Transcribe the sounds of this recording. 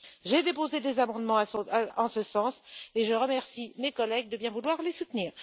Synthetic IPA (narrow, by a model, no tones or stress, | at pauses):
ʒed̪epozed̪ezamɑ̃d̪mɑ̃asaɑ̃səsɑ̃seʒəʁəmɛʁsimekɔlɛɡ̚d̪əbjɛ̃vulwaʁlesut̪niːʁ